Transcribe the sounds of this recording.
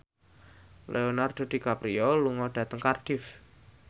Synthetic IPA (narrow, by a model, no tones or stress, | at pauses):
lʔeonard̪̥o̤d̪̥i̤kapɾiɔluŋɔɖ̥ä̤t̪əŋkarɖ̥ɪf